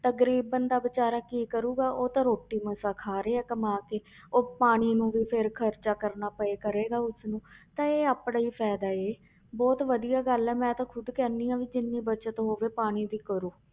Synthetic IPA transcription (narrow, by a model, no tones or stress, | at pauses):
t̪əkɾiːbənd̪aːbɪt͡ʃaːɾaːkiːkəɾuːɡaːʔoːt̪ãːɾoːʈːiːmə̃saːkʰaːɾeːɛːkəmaːkeː | oːpaːɽ̃iːnũːʋiːpʰɪɾkʰəɾt͡ʃaːkəɾnaːpəeːkəɾeːɡaːʊsnũːt̪ãːeːaːpɽaːiːpʰɛːd̪aːeː | bɔːt̪ʋəd̪ijaːɡəlɦɛːmɛ̃ːt̪ãːkʰʊd̪kɛːnːiːãːʋiːd͡ʒɪnːiːbət͡ʃət̪ɦoːʋeːpaːɽ̃iːd̪iːkəɾoː